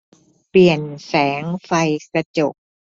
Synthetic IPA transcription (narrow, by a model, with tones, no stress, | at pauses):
pli˨˩ənsɛː˩˦ŋfa˧jkɾa˧t͡ɕo˨˩k̚